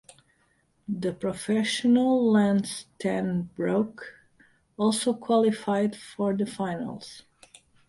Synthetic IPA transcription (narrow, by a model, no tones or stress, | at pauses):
ðəpɹɔfɛʃɔnəlˠlæ̃nstʰæ̃nbɹoʊk | ɔlˠsoʊkʰwɑlɪfaɪdfɔɹðəfãɪ̃nə̰lˠz̥